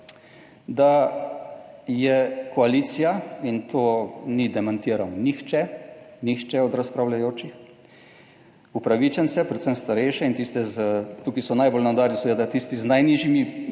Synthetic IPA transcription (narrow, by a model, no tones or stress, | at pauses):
d̪a | jɛkɔaliːt̪sijaint̪ʰoːnid̪ɛmant̪iːɾanɔnixt͡ʃɛnixt͡ʃɛɔd̪ɾaspɾawlʲajoːt͡ʃix | upɾaʋit͡ʃɛnsɛpɾɛt̪səmst̪aɾɛjʃɛint̪ist̪ɛzt̪ukisɔnajbolnawd̪aːɾjiused̪at̪ist̪iznajniʒimi